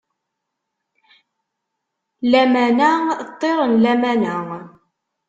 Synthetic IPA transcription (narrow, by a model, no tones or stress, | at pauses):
læmænæt̪ˤːeɾˤənlæmænæŋ